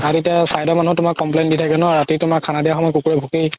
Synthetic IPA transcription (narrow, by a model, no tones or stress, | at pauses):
aɹetijasajdɔmanuɦɔtʊmakːɔmp̬lejnditʰakɛnɔɹatitʊmakʰːanadijaxɔmɔjkukuɹɛbʱukij